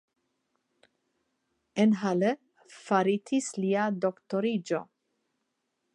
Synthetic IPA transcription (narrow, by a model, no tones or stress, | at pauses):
enɦalə | faɾit̪ʰisliad̪okt̪oɾid͡ʒo̰